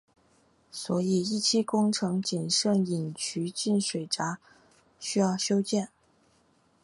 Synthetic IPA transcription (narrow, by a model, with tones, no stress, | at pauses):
swɔ˧˥i˨˩i˥˩t͡ɕʰi˥kʊ˥ŋʈ͡ʂʰɤ˧˥ŋt͡ɕi˨˩nʂɤ˥˩ŋi˨˩ŋt͡ɕʰy˧˥t͡ɕi˥˩nʂwe˨˩ɪʈ͡ʂa˧˥ | ɕy˥jɑ˥˩ʊɕjo˥ʊt͡ɕjɛ˥˩n